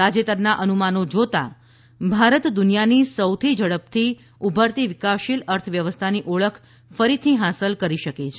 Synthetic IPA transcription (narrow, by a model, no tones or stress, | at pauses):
ad͡ʒet̪əɾnaʔənumanod͡ʒot̪a̰ | bʱaɾət̪d̪unijanisəwt̪ʰid͡ʒəɽəp̚t̪ʰi | ubʱəɾt̪iʋɪkaʃiləɾt̪ʰəʋjəʋəst̪ʰaniʔoɭəkʰ | fəɾit̪ʰiɦasəlkəɾiʃəket͡ʃʰe